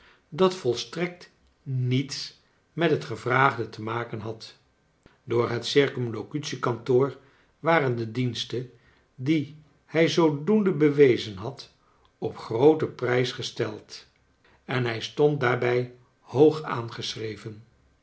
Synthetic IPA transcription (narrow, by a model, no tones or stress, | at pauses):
dɑtfɔlˠstrɛk̚t | nits | mɛtɦətχəvraːχdətəmaːkənɦɑt | dʊːɹɦətsɪɹkɔmlokytsikɑntoːɹ | ʋaːrəndədinstə | di | hɛjzowdundəbəʋejzənɦɑt | ɔpχrowtəprɛjsχəstɛlˠt | ɛnɦɛjstɔnt̚daːɹbɛj | howχa̰ːnχəsrejvən